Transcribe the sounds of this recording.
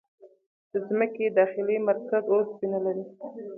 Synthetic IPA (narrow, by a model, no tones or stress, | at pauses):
d̪̥əzməked̪ɑxɪlimaɾkazosbinalaɾi